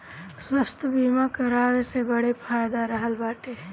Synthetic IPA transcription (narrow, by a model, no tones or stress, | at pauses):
swəst̪ʰbiːmakəɾaːɾsebəɽepʰaːjd̪aɾəɦəlbaːʈe